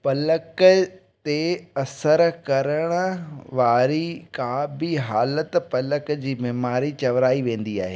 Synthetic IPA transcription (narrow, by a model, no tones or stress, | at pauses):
pɐlək | t̪eɐsəɾkɐɾəɽ̃ʊ̆ʋaːɾikabɪɦaːlət̪pɐləkd͡ʑiːbeɦmaːɾit͡ɕɐʋɾaːiʋẽːn̆d̪iaːɦeː